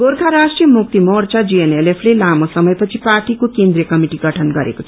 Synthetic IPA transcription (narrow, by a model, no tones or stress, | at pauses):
ɡorɡʱaɾasʈrijʌmuk̚t̪imort͡sad͡zienelepʰlelamosʌmʌjpʌt͡sʰiparʈikokend̪ɾijʌkʌmiʈiɡʌʈʰʌnɡʌɾḛkot͡sʰʌ